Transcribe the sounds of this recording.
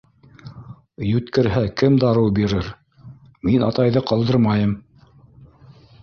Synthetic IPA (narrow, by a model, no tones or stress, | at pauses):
jʉt̪kɘ̆ɾɦækɘmd̪ɑɾɤwbiɾɘɾ | minɑt̪ɑjðɤqɑlˠd̪ɤɾmɑjɤm